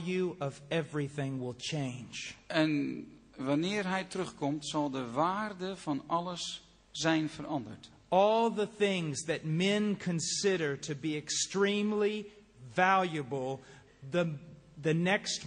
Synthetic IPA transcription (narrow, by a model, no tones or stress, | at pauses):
jʉʌvɛvɹiθɪ̃ŋwɪlˠt͡ʃʰẽɪ̃nd͡ʒʔɛn | ʋanɪːərɦɛjtɾɵχkɔmtsɑlˠdəʋaːrdəvɑnɑləs | zɛjnfərʔɑndə̰ɹt | ɔlˠðəθɪ̃ŋzðɨt̚mɛ̃nkʰɨ̃nsɪɾə˞ɾɨbiɨkstɹ̥ĩmli | vælˠjɨbəl̩ˠ | ðəðɨnɛkst